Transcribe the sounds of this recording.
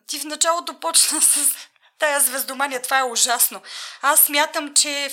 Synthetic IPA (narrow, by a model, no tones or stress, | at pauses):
t̪ifnɐt͡ʃalˠot̪opɔt͡ʃnəsɐs | t̪ajəzvɛzd̪omaniɛt̪ovaɛʊʒasnoasːmʲjat̪əmt͡ʃɛ